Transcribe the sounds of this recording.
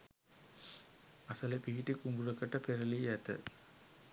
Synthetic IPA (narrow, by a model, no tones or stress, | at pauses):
ɐsɐlɐpiɡiʈːikuŋɡuɾɐkːɐʈːɐpeɾɐliɐt̪ːɐ̰